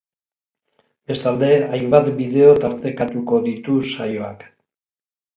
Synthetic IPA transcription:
be̞st̪ald̪e̞ajmbat̪biðe̞o̞t̪aɾt̪e̞kat̪uko̞ðit̪usajo̞a̰k

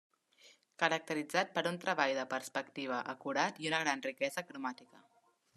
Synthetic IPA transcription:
kəɾək̚t̪əɾid͡zat̪̚pəɾunt̪ɾəβajðəpərspəkt̪iβ̞əʔəkuɾat̪iunəɣɾanrikɛzəkɾumat̪ikə

